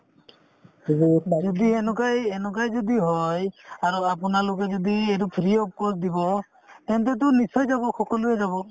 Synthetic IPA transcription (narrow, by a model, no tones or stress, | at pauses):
d͡ʒɔd̪iɛnɔkajɛnɔkajd͡ʒɔd̪iɦɔjaɾuapunalok̬ɛd͡ʒɔd̪iɛɾupʰɾiɔp̚kɔsd̪ibɔ | t̪ɛnt̪̬ɛt̪̬unisɔjd͡ʒabɔxɔkɔlɔɾɛd͡ʒaβɔ